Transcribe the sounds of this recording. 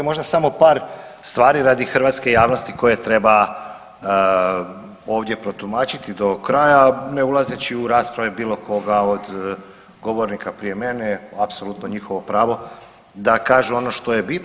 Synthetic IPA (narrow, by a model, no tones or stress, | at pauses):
emo̞ʒd̪asamo̞paːɾ | st̪ʋaːɾiɾaːd̪ixr̩ʋaːt̪ske̞jaːʋno̞st̪iko̞je̞t̪ɾe̞ba | o̞ːʋd̪je̞pɾo̞t̪umaːt͡ɕit̪id̪o̞kɾaːjane̞ulˠaze̞t͡ɕiuɾaːspɾaʋebiːlo̞kʰo̞ɡao̞d̪ | ɡo̞ʋo̞ɾnikapɾijeme̞neapso̞lˠut̪no̞ɲixo̞ʋo̞pɾaːʋo̞ | d̪akaːʒuo̞no̞ʃt̪o̞je̞bit̪